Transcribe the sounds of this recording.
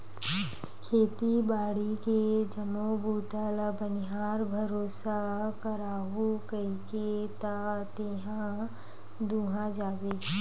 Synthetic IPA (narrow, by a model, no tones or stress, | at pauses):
kʰeːt̪ibaːɽiked͡ʒəmobuːt̪aːləbənɪɦaːɾbʱɐɾoːsakɐɾaːɦukɐiket̪at̪eːɦã | d̪uːɦãd͡ʒaːʋeː